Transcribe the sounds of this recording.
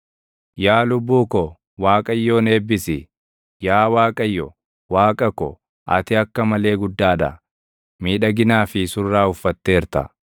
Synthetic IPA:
jaːlʊbːuːkɔ | waːkʼɐjːoːne̞ːbːɪsɪ | jaːwaːkʼɐjːɔ | waːkʼɐkɔ | ʔɐ̰t̪ɪɐkːɐmɐle̞ːɡʊd̪ːaːᶑ̪ɐ̰ | miːᶑɐɡɪnaːfɪsʊrːaːʊfːɐt̪ːe̞ːɾt̪ɐ̰

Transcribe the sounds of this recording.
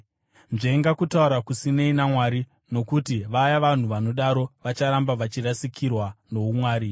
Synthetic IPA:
nʐeŋɡakutauɾakusine̞inamwaɾi | no̞kutiʋajaʋan̤uʋano̞ɗaɾoʋat͡ʃaɾambaʋat͡ʃirasikʰirwano̞umwaːɾi

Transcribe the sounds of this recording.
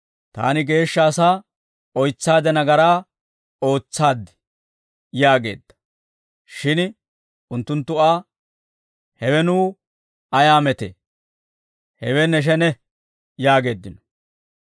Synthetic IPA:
t̪a̰ːnɪɡe̞ːʃːaːsaː | ɔjt͡sːaːd̪ɛnɐɡɐɾaː | o̞ːt͡sːaːd̪ɪ̥ | jaːɡe̞̰ːd̪̥ːɐ̥ | ʃɪn | ʊnt̪ːʊnt̪ːʊaː | hɛwɛnuː | ɐjaːmɛt̪ḛː | hɛwɛnɛʃ̬ɛnɛ | jaːɡe̞ːd̪ːɪnɔ̥

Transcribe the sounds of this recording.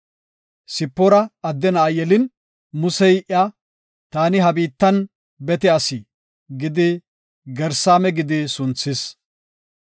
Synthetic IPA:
sɪpːɔɾɐɐd̪ːɛnaːjɛlɪn | mʊsɛjʔja | t̪aːnɪɦɐbiːt̪ːɐn | bɛt̪ɛɐsɪ | ɡɪd̪ɪ | ɡɛɾsaːmɛɡɪd̪ɪsʊnt͡sːɪs

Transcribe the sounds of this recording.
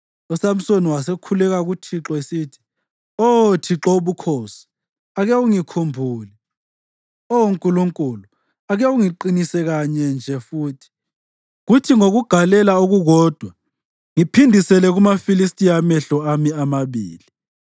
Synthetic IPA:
usam̩soniwasekʰulɛɣaɣutʰiǁɔesiːtʰi̥ | ɔtʰiǁɔuβukʰoːsi̥ | aɣɛuŋikʰumbʱuːlɛ | ɔwuŋkʼuluŋkʼulu | aɣɛuŋiǃinisɛɣaɲɛnd͡ʒʱɛfuːtʰi̥ | ɣutʰiŋoɣuɡ̥ʱalɛlauɣuɣɔːd̥ʱwa | ŋipʰindʱisɛlɛɣumafilistʼijamɛɬɔamiamaβḭːli

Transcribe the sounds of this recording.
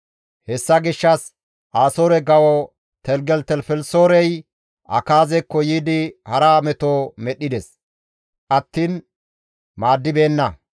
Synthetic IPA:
hɛsːɐɡɪʃːɐs | ʔaːsoːɾɛɡɐwɔ | t̪ɛlɡɛlt̪ɛlfɛlsoːɾɛj | ʔɐ̰kaːzɛkːɔjiːd̪ɪhɐɾaːmɛt̪oːmɛɗːɪd̪ɛs | ʔɐt̪ːiːn | maːd̪ːɪbe̞ːnːɐ

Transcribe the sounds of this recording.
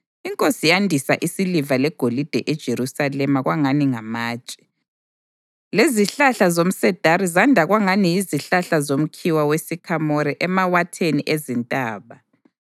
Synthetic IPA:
iŋkʼosijandʱisaʔisilivalɛɡ̥ʱolid̥ʱɛʔɛd̥ʒ̥ʱeɾusalɛmaɣwʔaŋaniŋamaːt͡ʃʼi̥ | leziɬaɬazom̩sɛd̥ʱaɾizandʱaɣwaŋanijiziɬaɬazom̩kʰiwawesikʰamɔɾɛʔɛmawatʰeniʔezintʼaːβa

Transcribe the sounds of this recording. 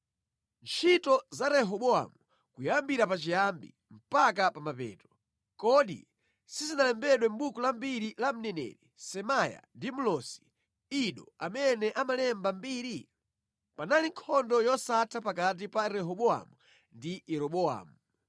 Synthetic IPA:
nt͡ʃʰitɔzaɾɛɦɔɓɔa̰mu | kujambiɾapat͡ʃijambḭ | m̩pak̬apamapɛ̰ːtɔ̥ | kɔɗḭ | sizinalɛmbɛɗwɛm̩ɓukɔlambiɾilam̩nɛnɛ̰ɾisɛmaja̰ndimulɔsi̥ | iɗɔ̰amɛnɛʔamalɛmbambiːɾi | panaliŋkʰɔndɔjɔsatʰapak̬at̬ipaɾɛɦɔɓɔa̰mu | ndijɛɾɔɓɔa̰ːmu

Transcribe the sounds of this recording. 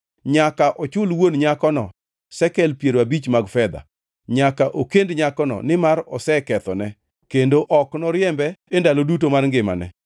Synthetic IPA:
ɲakaʔɔt͡ʃʊlwonɲakɔnɔ | sɛkɛlpjeɾwabit͡ʃmaɡfɛd̪a̰ | ɲakaʔokendɲakɔnɔ̰nɪmaɾɔsɛkɛt̪ɔnɛ | kendoʔɔknɔɾjɛmbɛendalodutomarŋɡɪma̰nɛ̰

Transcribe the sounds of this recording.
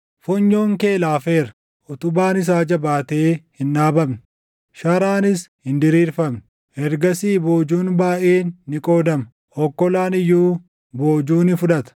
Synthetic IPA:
fɔɲːo̞ːŋke̞ːlaːfe̞ːɾɐ | ʔɔt̪ʊbaːnɪs̬aːd͡ʒɐbaːt̪e̞ːhɪnːaːbɐmnɪ | ʃɐɾaːnɪshɪnd̪ɪɾiːɾfɐmn | ʔɛɾɡɐsiːbo̞ːd͡ʒuːnbaːʔeːnːɪkʼo̞ːd̪ɐm | ʔɔkːɔlaːnɪjːuː | bo̞ːd͡ʒuːnɪfʊᶑɐt̪ɐ̥

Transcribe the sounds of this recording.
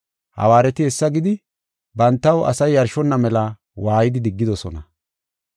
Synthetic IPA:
hɐ̰waːɾɛt̪ɪhɛsːɐɡɪd̪ɪ | bɐnt̪ːɐwɐ̰sɐjːɐɾʃɔnːɐmɛlɐ | waːjɪd̪ɪd̪ɪɡːɪd̪ɔsɔ̰nɐ

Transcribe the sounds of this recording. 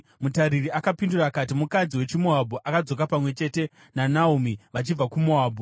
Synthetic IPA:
mutaɾiriakapinduraːkat̬imukad͡ziwe̞t͡ʃimoɦaboʔakad͡zo̞kapamwe̞t͡ʃe̞te̞ | nanaumiʋat͡ʃib͡vakumoaːbʱo

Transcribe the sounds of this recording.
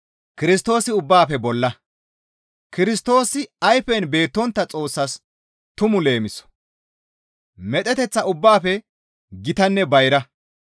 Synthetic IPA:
kɪɾɪs̬t̪o̞ːsɪʊbːaːfɛbɔlːɐ | kɪɾɪst̪o̞ːsɪɐjfɛnbe̞ːt̪ːɔnt̪ːɐt͡sʼo̞ːsːɐs | t̪ʊmʊle̞ːmɪsːɔ̥ | mɛt̪ʼɛt̪ɛt͡sːɐʊbːaːfɛ | ɡɪt̪ɐnːɛbɐjɾɐ

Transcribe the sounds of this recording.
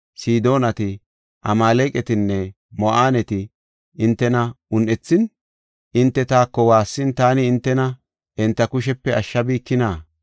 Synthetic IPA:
siːd̪o̞ːnɐt̪ɪ | ʔɐmaːlɛkʼɛt̪ɪnːɛ | mɔʔaːnɛt̪ɪ | ɪnt̪ːɛnɐʊnʔɛt͡sːɪn | ʔɪnt̪ːɛt̪aːkːɔwaːsːɪnt̪aːnɪːnt̪ːɛnɐ | ʔɛnt̪ːɐkʊʃ̬ɛpːɛɐʃːɐbiːkːɪnaː

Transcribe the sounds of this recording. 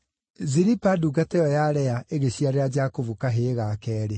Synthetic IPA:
ziɾipaduɡatɛjɔjaɾɛaʔeɣeɕiaɾead͡ʒakovukaɦeɣakɛːɾe

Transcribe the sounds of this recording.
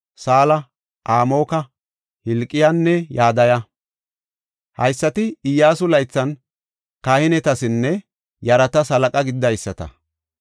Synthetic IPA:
saːlɐ | ʔaːmo̞ːkɐ | hɪlkʼːɪjanːɛjaːd̪ɐjɐ | hɐjsːɐt̪ɪɪjːaːsʊlɐjt͡sːɐn | kaːhɪnɛt̪ɐsɪnːɛ | jɐɾɐt̪ɐsɐlɐkʼɐɡɪd̪ːɐjsːɐt̪ɐ̰

